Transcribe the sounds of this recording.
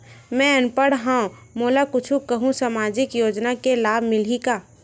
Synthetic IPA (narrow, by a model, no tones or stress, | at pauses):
mɛ̃ənpəɽɦãːõmoːlakʊt͡ʃʰũkəɦũsamaːd͡ʒɪkjoːd͡ʒnakelaːbʱmɪlikaː